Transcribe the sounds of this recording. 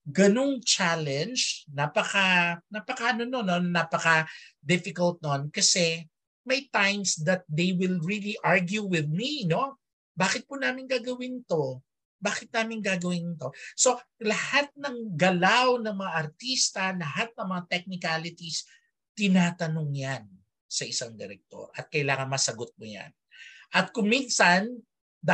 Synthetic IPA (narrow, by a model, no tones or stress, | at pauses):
ɡɐno̞ŋt͡ʃalɛ̃nd͡ʒnapɐkɐnapɐkɐʔɐnono̞noːaːpɐkɐd̪ɪfɪkɐlt̪̚nonkɐsɛ | mɐjt̪ajmsd̪ɐt̪̚d̪ejwɪlɹiliʔaɹɡjuwɪðmino̞ | baːkɪt̪̚punaːmɪnɡaːɡɐwɪnɪt̪o̞ | baːkɪt̪̚naːmɪŋɡaːɡɐwɪnɪt̪o̞so̞lɐhat̪̚nɐŋɡɐlawnɐŋmɐŋaʔɐɾt̪ist̪ɐlɐhat̪̚nɐŋmɐŋat̪ɛk̚nɪkalɪt̪is | t̪ɪnaːt̪ɐnoŋjan | sɐʔɪsaŋd̪ɛɾɛk̚t̪o̞̰ɾʔɐt̪̚kɐjlaːŋɐnmɐsɐɡot̪̚mʊja̰nʔɐt̪̚kʊŋminsɐn | d̪